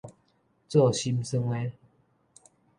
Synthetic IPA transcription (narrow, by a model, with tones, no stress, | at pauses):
t͡sɔ˥˨ɕi˦msə˦ŋwe˦